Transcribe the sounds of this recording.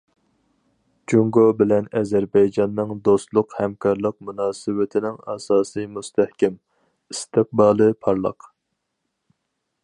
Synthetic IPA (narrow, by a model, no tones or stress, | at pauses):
d͡ʒuŋɡobɪlɛnɛzɛɾbɛjd͡ʒɑnːɨŋd̪ost̪lˠʊqhɛmkʰɑɾlˠəq̚munɑːsɨwɪt̪ʰɪnɪŋɑ̰sɑːsɨjmust̪ʰæhkʲɛm | ist̪ɨq̚bɑːlˠɨpʰɑɾlˠə̰q